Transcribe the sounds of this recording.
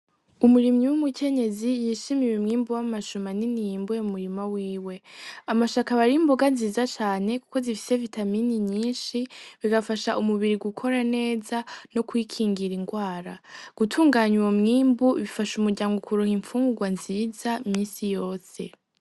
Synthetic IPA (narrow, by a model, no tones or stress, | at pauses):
umuɾimɲiwumukʰe̞ɲe̞zijiʃimiwemŋiːmbuwamaʃumaninijimbujomumuɾimawiːwe̞amaʃakaβaɾimboɡanziːzat͡ʃaːne̞ku̥ko̞zifi̥se̞vitʰaminiɲiːnʃiβiɡafaʃaʔumuβiɾiɡukʰo̞ɾane̞ːzano̞kwikʰiːŋɡiɾiŋɡwaːɾaɡ̥utʰuːŋɡaɲiwomŋiːmbuβifaʃumuɾɟaːŋɡokuɾoŋiɱfuːŋɡuɡwanziːzamiːnsijo̞ːse̞